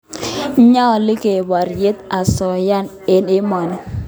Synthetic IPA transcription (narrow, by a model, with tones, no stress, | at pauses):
ɲa˦˨lɪ˦ke˨wa˨ɾje˦t̪a˨sɔ˨ja˦n | ɪ˦nɪ˦mɔ˨nɛ˨